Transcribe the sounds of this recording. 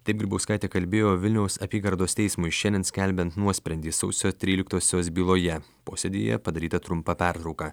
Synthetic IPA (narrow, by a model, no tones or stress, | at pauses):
t̪ɐɪpɡʲɾʲɪbɐʊskɐˑɪt̪ʲeːkɐlʲbʲeːjoːʋʲɪlʲnʲɛʊsɐpʲiːɡɐɾd̪oːst̪ʲɛɪsmʊɪʃʲɛnʲɛnsʲkʲɛlʲbʲɛnt̪nuɔsʲpʲɾʲɛnʲd̪ʲiːsɐʊsʲoːt̪ʲɾʲiːlʲɪkt̪oːsʲoːs̬bʲiːlˠoːjɛpoːsʲɛd̪ʲḭjɛ̰pɐd̪ɐɾʲiːt̪ɐt̪ɾʊmpɐpʲæɾt̪ɾɒʊkɑː